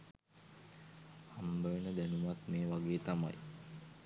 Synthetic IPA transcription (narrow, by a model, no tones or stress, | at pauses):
hambəʋenəd̪ænumat̪meːʋaɡeːt̪ama̰j